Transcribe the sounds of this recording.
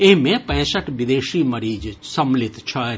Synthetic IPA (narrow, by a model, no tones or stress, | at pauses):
eɦmẽpɛ̃ːsəʈʰʋɪd̪eːʃiːmɐɾiːd͡ʒsɐmlɪt̪t͡ʃʰə